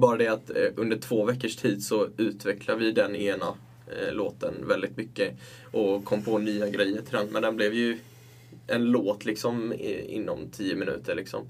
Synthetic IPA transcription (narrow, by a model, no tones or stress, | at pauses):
bɑːɾad̪ɛat̪ʔɵnd̪əʈʰv̥oːvɛkːəʂtʰiːd̪sɔʉ̟ːt̪vɛkʰlavɪd̪ɛneːna | loːt̪ə̰nvɛld̪ɪt̪mʏkːə | ʔɔkʰɔmːpʰoːnyːaɡɾɛjːəɾtʰɪlɛnmɛ̰nd̪ɛnblɛvjɵ | ʔɛnloːt̪ʰlɪksɔmɪ̰nːɔ̰mt̪ʰiːəmɪnʉ̟̰ːt̪ʰəɭɪksɔ̰m